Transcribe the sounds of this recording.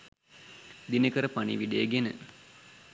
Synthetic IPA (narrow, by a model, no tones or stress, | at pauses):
d̪inəkəɾəpanḭʋiɖejəɡenə̰